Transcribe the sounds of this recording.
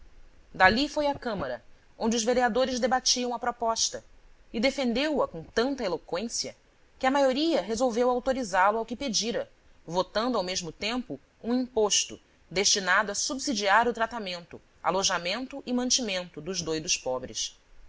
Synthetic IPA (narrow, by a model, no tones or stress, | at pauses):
d̪alifojɐkɐ̃mɐɾɐ | õd͡ʒɪʊzveɾiad̪oɾɪzd̪ebat͡ʃiɐ̃w̃ɐpɾopɔʃt̪ɐɪd̪efẽnd̪ewɐkõt̪ɐ̃nt̪ɐelokwẽsiɐ | kɪɐmajoɾiɐɦezowvewawt̪oɾizalʊawkɪped͡ʒiɾɐ | vot̪ɐ̃nd̪ʊawmeʒmʊt̪ẽmpʊ | ũĩpoʃt̪ʊ̰ | d̪eʃt͡ʃinad̪ʊɐsubzid͡ʒiaɾʊt̪ɾat̪amẽnt̪ʊ | a̰loʒamẽnt̪ʊʔɪmɐ̃nt͡ʃimẽnt̪ʊd̪ʊʒd̪ojd̪ʊʃpɔbɾɪ̰s